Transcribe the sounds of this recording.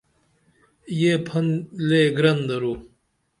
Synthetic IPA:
jepʰɐnleɡɾɐnd̪ɐɾu

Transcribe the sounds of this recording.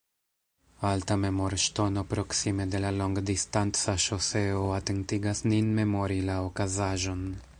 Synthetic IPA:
altame̞moɾʃto̞no̞pɾo̞ksime̞de̞lalo̞ŋɡdistant͡saʃo̞seoate̞ntiɡasninme̞mo̞ɾilaokazaʒo̞n

